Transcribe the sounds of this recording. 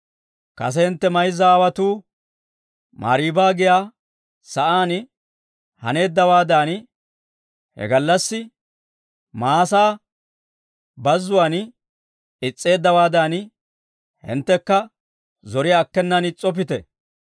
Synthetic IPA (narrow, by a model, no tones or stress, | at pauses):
kɐ̰sɛhɪnt̪ːɛmɐjzɐːwɐt̪uː | ma̰ːɾiːbaːɡɪjaː | sɐʔaːn | hɐ̰ne̞ːd̪ːɐwaːd̪aːn | hɛ̰ɡɐlːɐsːɪ | maːsaː | bɐzːʊwan | ɪt͡sʼːe̞ːd̪ːɐwaːd̪aːn | hɪ̰nt̪ːɛkːɐ | zɔɾɪjaːkːɛnːɐnɪt͡sʼɔp̬ɪt̪ɛ̰